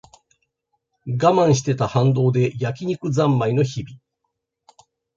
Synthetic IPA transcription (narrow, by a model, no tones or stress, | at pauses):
ɡamãɰ̃ɕi̥t̪e̞t̪ahãnd̪o̞ːd̪e̞jakʲiɲ̟ikɯ̟d͡zãmːaino̞çibʲi